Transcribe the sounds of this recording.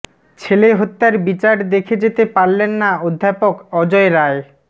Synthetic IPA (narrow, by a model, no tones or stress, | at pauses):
t͡ɕʰeleɦot̪ːaɾbit͡ɕaɾd̪ekʰed͡ʑet̪epaɾlenːaod̪ʱːapokɔd͡ʑɔeɾae